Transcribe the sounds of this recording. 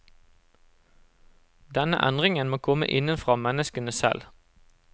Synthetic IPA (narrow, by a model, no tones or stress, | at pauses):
d̪ɛnə̰ʔɛnd̪ʁɪŋənmoːkʰɔmə̰ʔɪnənfʁɑːmɛnəskənəsɛ̰l